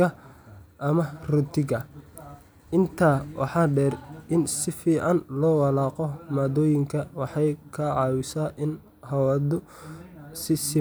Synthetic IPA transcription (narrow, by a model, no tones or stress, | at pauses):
ɐʔɐmɐrʊt̪ʰɪɣɐ | ʔɪnt̪ʰaːwɑ̰ħɑːɖɛːrʔɪnsɪfiːʕɑnlɔːwɑlɑːqɔmaːd̪ɔːjɪŋkʰɐwɑħɑjkʰɐʕɑːwʊsaːʔɪn | hɐwɐd̪ʊ | sɪsɪ